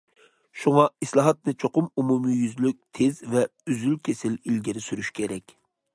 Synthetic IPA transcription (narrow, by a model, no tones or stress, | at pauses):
ʃuŋɑislˠɑɦɑt̪̚nɨt͡ʃʰoqʊmumumijyzlyk̚ʲt̪ʰezvɛyzylkʲʰesɪlilɡʲiɾɪsyɾyʃkʲʰeɾɛkʲ